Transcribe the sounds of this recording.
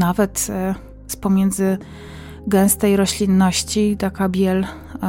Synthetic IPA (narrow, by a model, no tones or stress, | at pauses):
navɛt̪ | spɔmʲjɛnd̪zɘ | ɡɛ̃w̃st̪ɛjɾɔɕlʲinːɔɕt͡ɕit̪akabʲjɛl